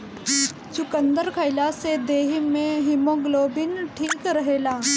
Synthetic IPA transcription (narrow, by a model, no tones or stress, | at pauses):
t͡ʃʊkənd̪əɾkʰəɪlased̪eːɦimẽɦɪmõɡloːbɪnʈʰiːkɾɐɦeːlaː